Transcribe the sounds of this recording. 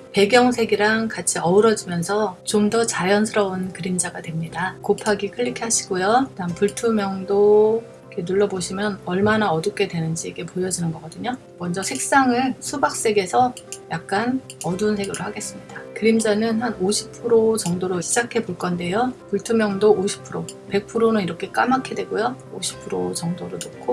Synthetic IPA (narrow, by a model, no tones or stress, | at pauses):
pe̞ɡjʌŋsʰe̞ɡiɾaŋkat͡ɕʰiʌɯɾʌd͡ʑimjʌnsʰʌt͡ɕomdʌt͡ɕajʌnsʰɯɾʌunkɯɾimd͡ʑaɡadwe̞mɲidakopʰaɡikʰɯɭːikʰeaɕʰi̥ɡojotampuɭtʰumjʌŋdo | ikʰe̞nuɭːʌboɕʰimjʌnʌɭmanaʌduk͈e̞dwe̞nɯnd͡ʑiːɡe̞pojʌd͡ʑinɯnɡʌɡ͈ʌdɯɲo | mʌnd͡ʑʌsʰe̞k̚s͈aŋɯɭsʰubak̚s͈e̞ɡe̞sʰʌjak̚k͈an | ʌdunsʰe̞ɡoɾohaɡe̞s͈ɯmɲidakɯɾimd͡ʑanɯnhanoɕʰi̥pʰɯɾot͡ɕʌŋdoɾoiɕ͈id͡ʑakʰe̞boɭk͈ʌnde̞jopuɭtʰumjʌŋdooɕʰi̥pʰɯɾope̞k̚pʰɯɾonɯniɾʌkʰe̞k͈a̰makʰedwe̞ɡojoo̰ɕʰi̥pʰɯɾot͡ɕʌŋdoɾonok͈o